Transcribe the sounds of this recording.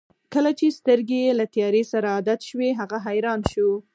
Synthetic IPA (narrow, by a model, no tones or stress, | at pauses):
kəlat͡ʃest̪əɾɡelat̪ijɑɾesaɾaːd̪at̪ʃweɦaɣaɦajɾɑnʃu